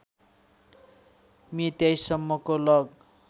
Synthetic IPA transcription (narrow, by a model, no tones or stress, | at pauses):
mit̪jajsʌmːʌkolʌɡ